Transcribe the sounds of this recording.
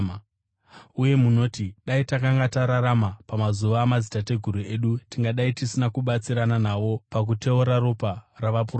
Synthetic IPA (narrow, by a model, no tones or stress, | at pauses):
uje̞muno̞ːtiɗaitakaŋɡataɾaɾamapamazuʋaːmazitate̞ɡʱuɾue̞ɗutiŋɡaɗaitisinakuɓat͡siɾananaʋo̞pak̬ute̞uɾaɾoparaʋapur